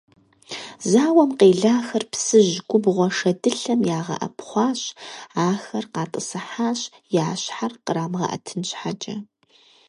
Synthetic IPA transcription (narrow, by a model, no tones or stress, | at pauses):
zaːwɐmqeːɮaːxɐrpsɨʑɡʷʼʊbʁʷɔʂɐdɨɬɐmjaːʁɐ̰ʔɐ̰pʰχʷɑːɕaːxɐrqɑːtʼɨsɨħaːɕjaːɕħarqəɾaːmʁɐ̰ʔɐ̰tʰɨnɕħad͡ʒʼɐ